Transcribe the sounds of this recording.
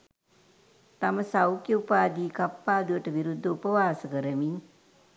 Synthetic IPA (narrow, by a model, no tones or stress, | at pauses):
t̪aməsawkjəupaːd̪iːkapːaːd̪uʋəʈəʋiɾud̪ʱːəupəʋaːsəkəɾəmiŋ